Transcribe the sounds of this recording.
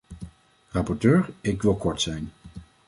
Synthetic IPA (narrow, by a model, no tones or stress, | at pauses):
rɑpɔɹtøːɹɪkʋɪlˠkɔɹtsɛjn